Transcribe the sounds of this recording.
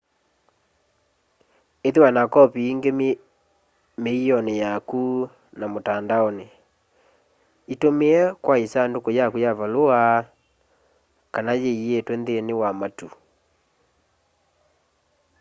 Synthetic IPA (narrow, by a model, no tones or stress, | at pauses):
eðewanakɔpiiŋɡem | meɔnejaku | namotandaɔne | itomeɛkwaisandokojakujavaloa | kanajeietwɛndenewamatu